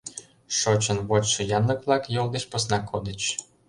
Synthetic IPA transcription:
ʃot͡ɕə̆nβotʃɤ̆jɑnlɤ̆kβlɑkjold̪eɕposnɑkʰod̪ə̆t͡ɕ

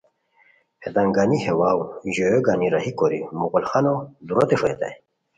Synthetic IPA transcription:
hed̪aŋɡanihewawʑojoɡaniɾahikoɾḭmuɣulxanod̪uɾot̪efet̪a̰j

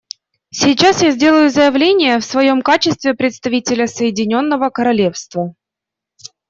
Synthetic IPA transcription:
sʲɪːt͡ɕasjazʲdʲe̞lˠʊjʊzəjɪvlʲenʲɪjəfsvɐjo̞mkat͡ɕɪst̪vʲɪpɾʲɪt̪st̪ɐvʲitʲɪlʲəsəjɪdʲɪnʲo̞nːəvəkəɾɐlʲe̞fst̪və

